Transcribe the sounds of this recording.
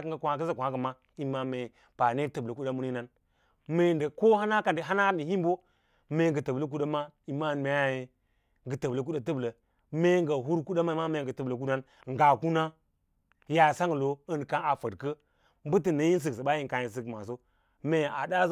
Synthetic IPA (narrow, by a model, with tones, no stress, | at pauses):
kŋ˦ɡa˨kʷa˨kə˦sa˦kʷa˦kə˨ma˦ | i˦ma˨me˨ | pa˨ne˦tə˨blə˨ku˦ɗa˦mu˦ni˦na˦n | me˨ndə˨ko˦ha˦na˦ka˨ndi˨ɦa˦na˦ni˨hi˦mbo˦ | me˨ŋɡə˨tə˨blə˦k̬u˦da˦ma˦i˨ma˦˨n˨me˨˦ja˨je˨ | ŋɡə˨tə˨blə˨k̬u˦da˨tə˦blə˨ | me˦ŋɡa˨ɦu˦ɾku˦ɗa˦ma˦ma˦me˨ɡə˨tə˨blə˨k̬u˦na˦n | ŋ̩˨ɡa˨ku˦na˦ | ja˨sa˦ŋ˨lo˨ə˦n˨ka˦ŋa˨fə˨dkə˦ | m˦bɨ˦t̬ɨ˨na˨˦ji˦n˦s̬ɨ˨ksə˨ba˦ji˦ŋka˨ji˨s̬ɨ˦kma˨s̬o˦ | me˨a˨da˦